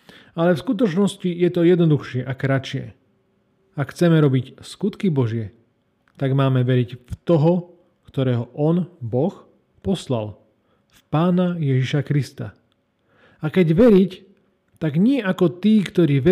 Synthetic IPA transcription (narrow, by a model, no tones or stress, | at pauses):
alɛfskut̪ɔt͡ʃnɔscijɛt̪ɔjɛd̪nɔd̪uxʃɪɛʔakɾat͡ʃɪɛ̰ | akxt͡sɛmɛɾɔbicskut̪kibɔʒɪɛ | t̪aɡmaːmɛʋɛɾicft̪ɔɦɔ | kt̪ɔɾɛːɦɔʔɔnbɔx | pɔsla̰l | fpaːnajɛʒiʃakɾist̪a̰ | akɛɟʋɛɾic | t̪aɡɲɪɛʔakɔt̪iːkt̪ɔɾiːʋɛ